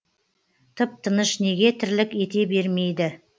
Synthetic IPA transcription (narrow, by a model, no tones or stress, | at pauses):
t̪ʰəp̚t̪ʰənəʃne̞ɡʲe̞t̪ʰɪɾlɪkʲe̞t̪e̞be̞ɾme̞jd̪ɪ